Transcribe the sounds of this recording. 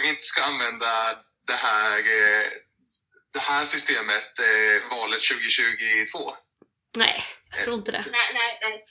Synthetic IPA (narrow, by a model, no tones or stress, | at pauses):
kɪnt̪ə̥skaanvɛnd̪a | d̪ɛhæːɾ | d̪̥ɛhæːʂʏst̪eːmət̪vɑːlət̪ɕʉ̟ːɡɪɕʉ̟ːɡɪt̪ʰv̥oː | nɛ̰ɪjɑt̪ɾuːɾɪnt̪əd̪ɛ̰nɛ